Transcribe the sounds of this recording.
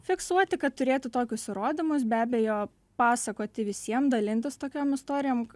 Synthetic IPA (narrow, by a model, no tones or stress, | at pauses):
fʲɪksuɔt̪ʲɪkɐt̪t̪ʊɾʲeːt̪ʲɪt̪oːkʲʊsɪɾoːd̪ʲɪmʊs̬bʲæːbʲɛjoː | pɑːsɐkoːt̪ʲɪʋʲɪsʲiɛmd̪ɐlʲɪnʲt̪ʲɪst̪oːkʲoːmɪst̪oːɾʲɪjoːm